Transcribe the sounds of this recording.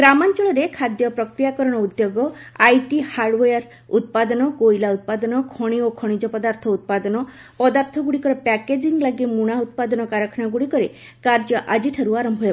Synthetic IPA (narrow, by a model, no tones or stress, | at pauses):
ɡɾamant͡ʃɔɭɔɾekʰad̪jɔpɾɔkɾijakɔɾɔɽ̃ɔud̪joɡɔajʈihaɖwejaɾ | ut̪̚pad̪ɔnɔɡojlaut̪̚pad̪ɔnɔkʰɔɽ̃iokʰɔɽ̃id͡ʒɔpɔd̪aɾt̪ʰɔut̪̚pad̪ɔnɔ | pɔd̪aɾt̪ʰɔɡuɽikɔɾepɛked͡ʒiŋɡlaɡimuɽ̃aut̪̚pad̪ɔnɔkaɾɔkʰɔnaɡuɽikɔɾe | kaɾd͡ʒɔʔad͡ʒiʈʰaɾuaɾɔmbʱɔja